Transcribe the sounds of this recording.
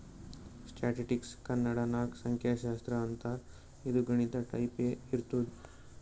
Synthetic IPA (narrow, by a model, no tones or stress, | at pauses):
sʈaʈiʈikskɐnːaɽanaːksɐŋkʰjaɕaːst̪ɾɐːnt̪aɾ | id̪uɡɐɽ̃it̪ɐʈɐjpeiɾt̪uɽ